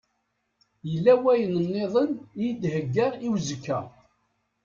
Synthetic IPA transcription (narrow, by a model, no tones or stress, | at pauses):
jəlːæwæjənənːeðˤənjd̪həɡːəɾiwzəkːæ